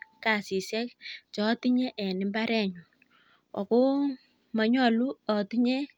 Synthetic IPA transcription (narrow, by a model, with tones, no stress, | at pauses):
ka˨si˨sɛ˦k̚t͡ʃɔ˨˦ti˦ɲɛ˦ʔɛ˨nɪ˨mba˦ɾɛ˦˨ɲu˨ | wa̰˨ko˦ | ma˨ɲɔ˦lu˦ɔ˨ti˦ɲɛ˦